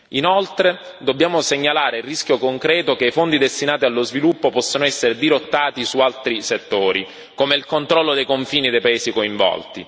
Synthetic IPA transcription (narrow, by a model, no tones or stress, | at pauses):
inolt̪ɾe | d̪obːjaːmoseɲːalaːɾeirːiskʲjokoŋkɾɛːt̪okeifond̪id̪est̪inaːt̪ialːozvilupːopɔsːonoɛsːeɾed̪iɾot̪ːaːt̪isualt̪ɾiset̪ːoːɾi | koːmeilkont̪ɾɔlːod̪ejkoɱfiːnid̪ejpaeːsikoiɱvɔ̰lt̪ḭ